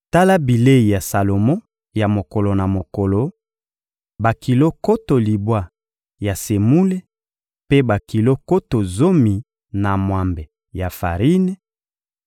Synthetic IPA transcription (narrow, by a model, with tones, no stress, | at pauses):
ta˦la˦bi˨le˦i˨ja˨sa˨lo˨mɔ̃˦ | ja˨mo˨ko˨lo˨na˨mo˨ko˨lo˨ | ba˨ki˨lo˦ko˦to˨li˨bwa˦ | ja˨se˨mu˦le˦ | pe˦ba˨ki˨lo˦ko˦to˨zo˦mi˨ | na˨mwa˨mbe˨ | ja˨fa˨ʁi˦nɛ˦